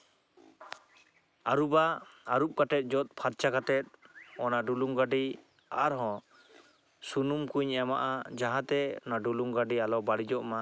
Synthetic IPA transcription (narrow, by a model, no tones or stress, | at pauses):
aɾubaːɾup̚katɛt̪̚ˀd͡ʒɔt̪̚ˀpʰaɾt͡ʃaɡat̪ɛt̪̚ɔnaɖuluŋɡaɖi | aɾɦɔ̃ | sunumkuɲɛma̰ʔad͡ʒaɦãt̪ɛɔ̰naɖuluŋɡaɖialɔbaɽid͡ʒɔʔma